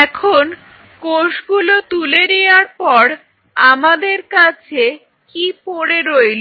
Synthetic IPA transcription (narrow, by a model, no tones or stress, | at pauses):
ɛkʰon | koʃɡulot̪ulenejaɾpɔɾ | amad̪eɾkat͡ɕʰe | kipoɽeɾojlo